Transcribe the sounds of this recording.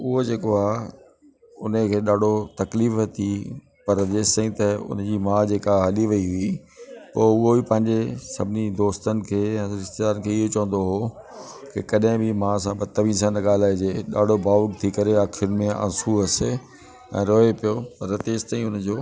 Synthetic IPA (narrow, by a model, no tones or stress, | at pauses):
ʊɦod͡ʑeːkoaː | ʊnəkʰeːɗaːɖʱot̪ɐkliːft̪ʰi | pɐɾɐt̪eːst̪ãĩt̪ɐʊ̰n̤d͡ʑiːmãːd͡ʑeːkaɦɐliʋɐiɦʊi | poːʊɦobipɐ̃ɦɪ̃ɲd͡ʑesɐbʱɪnid̪oːst̪ənɪ̆kʰeːɛ̃ːɾɪst̪ed̪aːɾən̆kʰeːɪɦot͡ɕɐʋə̃nd̪oɦo | kɪkɐɗɦɪ̃bɪmãsãbɐt̪ːɐʋĩːns̬ãːnəɠaːl̤aːed͡ʑeːɗa̰ːɖʱobaːʋkt̪ʰikɐɾeaːkʰɪɾənɪ̆mẽɐ̰̃nsuɦəs | ɛ̰̃ːɾoːepijopɐɾɐt̪eːst̪aːĩʊnd͡ʑoː